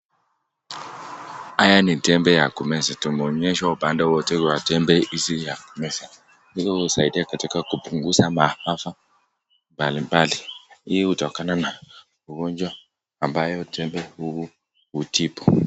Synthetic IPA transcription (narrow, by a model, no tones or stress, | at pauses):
ajanitɛmbɛjakumɛsatumɔɲɛʃɔbandawɔtɛɡwatɛmbɛʔisijakumɛsa | lɛkɔwusaidiakatikakupuŋɡusamahafa | mbalimbaliijɛutɔkanana | uɡɔnd͡ʒwa | ambajɔtʰɛmbɛuu | utipɔ̥